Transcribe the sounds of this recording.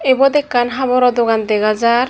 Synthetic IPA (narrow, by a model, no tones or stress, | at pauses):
ebɔd̪ɛkːanɦabɔɾɔd̪oɡand̪eɡazaɾ